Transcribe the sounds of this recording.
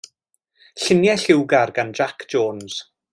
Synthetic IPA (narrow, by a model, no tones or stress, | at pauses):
ɬɪnjɛɬɪwɡarɡand͡ʒakʰd͡ʒoːnz̥